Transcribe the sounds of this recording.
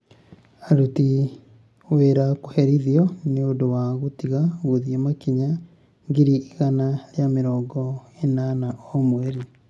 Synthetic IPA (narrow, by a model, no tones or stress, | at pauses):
aɾuti | weɾako̥hɛɾiðiɔneondowaɣotiɣaɣoðiemakiɲa | ŋɡiɾiːɣanaɾjameɾɔːŋɡɔenanaɔmwɛɾi